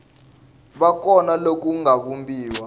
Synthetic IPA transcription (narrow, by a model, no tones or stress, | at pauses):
ɓak̬ʼɔnalok̬ʼuŋaɓumbiːwa